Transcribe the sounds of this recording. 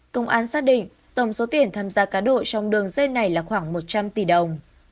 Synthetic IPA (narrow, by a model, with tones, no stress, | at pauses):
kə˧wŋ͡mʔaː˨˧˩nsaː˦˥k̚ɗḭ̈˧˨ŋ̟ | t̪ə˧˩wŋ͡mso˨˦t̪i˨˩ənt̪ʰaː˧mzaː˧kaː˨˦nɗo̰˧˨t͡ɕɔ˧wŋ͡mɗɨ˧əŋzə˧nːa˨˩jlaː˨˩xwaː˧˩ŋmo˨˩t̚t͡ɕa˧mt̪i˧˩ɗə˨˩wŋ͡m